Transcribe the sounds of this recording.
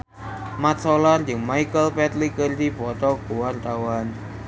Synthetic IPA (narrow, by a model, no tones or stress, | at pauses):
mat̪̚solard͡ʒɨŋmajkəlpɛt̪̚likərd̪ibɔt̪ɔɡuwart̪awan